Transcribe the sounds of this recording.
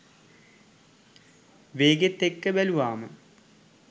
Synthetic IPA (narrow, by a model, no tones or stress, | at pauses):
ʋeːɡet̪ːekːɨʋɛluʋaːmɨ